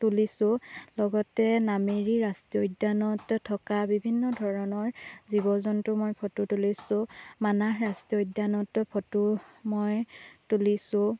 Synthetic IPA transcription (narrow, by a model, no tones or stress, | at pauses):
tulisʊlɔɡɔtɛnameɹiɹastiodanɔttʰːɔkabibʱinːɔdʱɔɹɔnɔɹzibɔzɔntʊmojpʰɔtutulisʊ̃manaɦɹastiɔjdːanɔtpʰɔtumɔjtulisʊ̃